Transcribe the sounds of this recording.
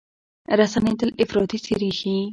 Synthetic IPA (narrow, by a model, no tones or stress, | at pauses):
ɾasanet̪əlɪfɾɑːt̪isiɾixi